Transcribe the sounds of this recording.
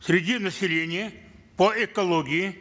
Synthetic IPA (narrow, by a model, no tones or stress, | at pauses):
sʲɾʲɪdʲinəsʲɪlʲenʲɪjə | pəɪkɐlˠoɡʲɪɪ